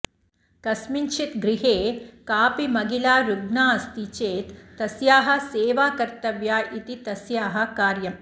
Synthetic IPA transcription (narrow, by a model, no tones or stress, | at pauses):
kɐsmiɲt͡ʃʰit̪ɡɾiɦeːkaːpimɐɡilaːɾud̪naːɐst̪it͡ʃeːt̪ːɐsjaːɦɐ̆seːʋaːkɐɾt̪ɐʋjaːʔit̪it̪ɐsjaːɦɐ̆kaːɾjɐm